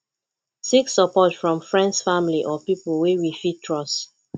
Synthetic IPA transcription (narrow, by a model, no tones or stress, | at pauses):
siksəpɔtfɹɔ̃mfɹɛ̃ndsfamliʔɔpipl̩wewifitʰɹɔs